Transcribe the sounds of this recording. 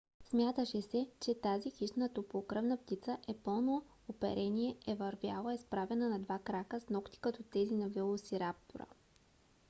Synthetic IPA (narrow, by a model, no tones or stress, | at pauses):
smʲjat̪əʃɛsɛt͡ʃɛt̪azixiʃt̪nət̪opokɾɤvnəpt̪it̪səʔɛpɤlˠno | opɛ̰ɾʔɛniɛɛvɐɾvʲja̰lˠəɛspɾavɛnənɐd̪vakɾakəsnɔkt̪i̥kɐt̪ɔt̪ɛzinɐvɛlˠosiɾap̚t̪oɾə̰